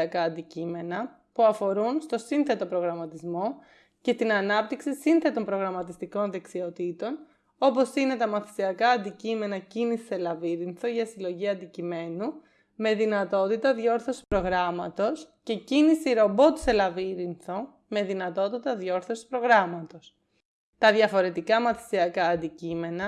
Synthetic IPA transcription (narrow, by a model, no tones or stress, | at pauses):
ɐkɐɐnd̪icime̞nɐ | puɐfo̞ɾunst̪o̞sinθe̞t̪o̞pɾo̞ɣɾɐmɐt̪izmo̞ | ce̞st̪inɐnɐp̚t̪iksisinθe̞t̪o̞mpɾo̞ɣɾɐmɐt̪ist̪iko̞nðe̞ksio̞t̪it̪o̞n | o̞po̞sine̞t̪ɐmɐθi̥siɐkɐːnd̪icime̞nɐcinisi̥selɐviɾinθo̞ʝɐsilo̞ʝiɐnd̪icime̞nu | me̞ðinɐt̪o̞t̪it̪ɐðʝo̞ɾθo̞si̥pɾo̞ɣɾɐmɐt̪o̞sce̞cinisiɾo̞bo̞t̪selɐviɾinθo̞ | me̞ðinɐt̪o̞t̪it̪ɐðʝo̞ɾθo̞si̥pɾo̞ɣɾɐmɐt̪o̞s | t̪ɐðʝɐfo̞ɾe̞t̪ikɐmɐθi̥siɐkɐːnd̪icime̞nɐ